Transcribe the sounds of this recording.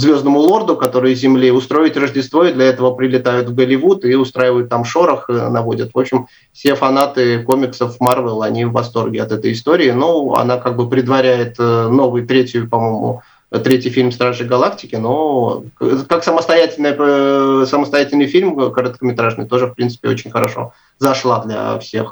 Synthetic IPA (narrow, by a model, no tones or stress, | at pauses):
zvʲo̞znəmʊlˠo̞rd̪ʊkɐt̪o̞ɾɨjʊzʲɪmlʲiʊst̪ɾo̞ɪtʲrəʐdʲɪst̪vo̞ɪd̪lʲɐɛt̪əvəpɾʲɪlʲɪt̪ajʊt̪vɡəlʲɪvut̪ɪʊst̪ɾaɪvəjʊt̪ːamʂo̞ɾəxnɐvo̞dʲət̪vo̞pɕːɪm | fsʲe̞fɐnat̪ɨko̞mʲɪksəfmarvɛlˠɐnʲivːɐst̪o̞rɡʲɪɐt̪ɛt̪əjɪst̪o̞ɾʲɪːnoɐ̰nakaɡ̚bɨpɾʲɪd̪vɐɾʲæjɪt̪no̞vɨjt̪ɾʲetʲjʊpɐmo̞jmʊ̰ | t̪ɾʲetʲɪjfʲilʲmst̪ɾaʐɨjɡɐlˠaktʲɪkʲɪno̞ | kaksəməst̪ɐjætʲɪlʲnəjəsəməst̪ɐjætʲɪlʲnɨjfʲilʲmkəɾət̪kəmʲɪt̪ɾaʐnɨ̰jt̪o̞ʐɨfpɾʲint̪sɨ̥pʲɪo̰t͡ɕɪnʲxəɾɐʂo̞̰ | zɐʂlˠad̪lʲɐ̰fsʲe̞̰x